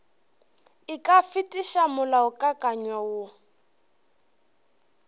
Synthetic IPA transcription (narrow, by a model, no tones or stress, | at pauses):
ikʼafitʼiʃamʊlaʊkʼakʼaɲwawʊ